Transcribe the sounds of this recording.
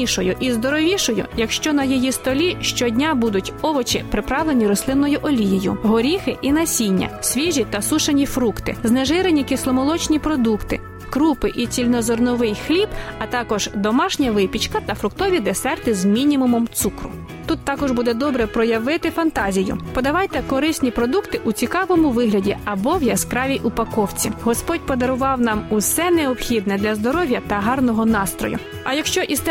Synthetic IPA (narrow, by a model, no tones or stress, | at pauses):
iʃɔjʊʔizd̪ɔɾɔʋʲiʃɔjʊ̰jɐkʃt͡ʃɔnɐjɔjist̪ɔlʲiʃt͡ʃɔdʲnʲabud̪ʊtʲɔʋɔt͡ʃɪpɾɪpɾɑʋlˠenʲiɾɔslˠɪnːɔjʊʔɔlʲijijʊ̰ɦɔɾʲixɪʔinɐsʲinʲːɐ̰sʲʋʲiʒʲit̪ɐsuʃɐnʲifɾukt̪ɪ̰zneʒɪɾenʲikʲɪslˠɔmɔlˠɔt͡ʃnʲipɾɔd̪ukt̪ɪ̰ | kɾupɪʔit͡sʲilʲnɔzɔrnʊʋɪjxlʲibɐt̪ɑkɔʒd̪ɔmɑʃnʲɐʋɪpʲit͡ʃkɐt̪ɐfɾʊkt̪ɔʋʲid̪esɛrt̪ɪzmʲinʲimʊmɔmt̪sukɾʊ̰ | t̪ut̪ːɑkɔʒbud̪ɛd̪ɔbɾɛpɾɔjɐʋɪt̪ɪfɐnt̪ɑzʲijʊ̰pɔd̪ɐʋɑjt̪ɛkɔɾɪsʲnʲipɾɔd̪ukt̪ɪʔut͡sʲikɑʋɔmʊʋɪɦlʲɐdʲiɐbɔwjɐskɾɑʋʲijʔʊpɐkɔwt͡sʲiɦɔspɔtʲpɔd̪ɐɾʊʋɑwnɑmʊsɛneɔpxʲid̪nɛd̪lʲɐzd̪ɔɾɔʋʲjɐt̪ɐɦɑrnɔɦɔnɑst̪ɾɔ̰jʊ̰ | ɐjɐkʃt͡ʃɔʔist̪